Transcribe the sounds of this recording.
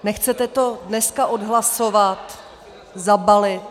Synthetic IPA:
nɛxt͡sɛt̪ɛt̪odnɛskaʔodɦlasovat̪ | zabalɪt̪

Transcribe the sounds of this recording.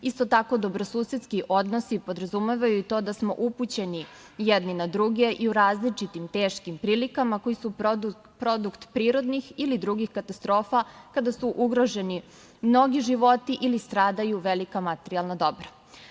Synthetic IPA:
ist̪o̞t̪ako̞d̪o̞bɾo̞suːset̪skiʔo̞d̪no̞sipo̞d̪ɾazumeʋajuit̪o̞ːd̪asmo̞̰ʔuput͡ɕe̞ni | jed̪ninad̪ɾuɡe̞ʔiuɾaːzlit͡ʃit̪imt̪e̞ːʃkimpɾiːlikamako̞jisu | pɾo̞d̪ukt̪pɾiːɾo̞d̪nixilid̪ɾuɡixkat̪ast̪ɾo̞ːfakad̪asuʔuɡɾo̞ʒe̞ni | mno̞ɡiʒiʋo̞t̪iʔilist̪ɾaːd̪ajuʋelikamat̪eɾialˠnad̪o̞bɾa

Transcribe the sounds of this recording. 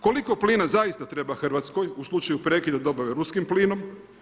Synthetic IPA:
ko̞liko̞pliːnazaist̪at̪ɾe̞baxr̩ʋat̪sko̞juslˠut͡ʃajupɾeːkid̪ad̪o̞baʋeɾuskimpliːno̞m

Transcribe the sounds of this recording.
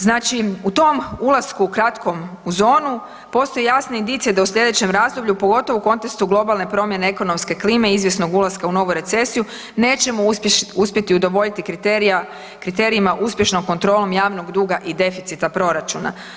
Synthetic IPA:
znaːt͡ʃiut̪o̞mulˠaskuːkɾat̪kʰo̞muzo̞ːnu | po̞st̪o̞jejasne̞ind̪iːt̪sijed̪ausʎʲje̞d̪e̞t͡ɕe̞mɾaːzd̪o̞bʎupoɡo̞t̪o̞ʋouko̞nt̪e̞kst̪uɡlˠo̞balˠne̞pɾo̞mje̞ne̞eko̞no̞mske̞kliːme̞izʋje̞sno̞ɡulˠaskauno̞ʋuɾe̞t̪se̞siju | ne̞ːt͡ʃe̞mouspjet̪iud̪o̞ʋo̞ʎit̪ikɾit̪eɾa | kɾit̪e̞ɾiimaʔuspje̞ʃno̞mko̞nt̪ɾo̞ːlo̞mjaːʋno̞ɡd̪uːɡaʔid̪e̞fit̪sit̪apɾo̞ɾat͡ʃuna̰

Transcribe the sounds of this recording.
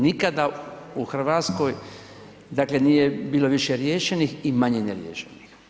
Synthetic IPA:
nikad̪a | uxr̩ʋaːt̪sko̞j | d̪akle̞nijebiːlo̞ʋiʃeɾjeːʃeniximaɲeneɾjḛːʃenix

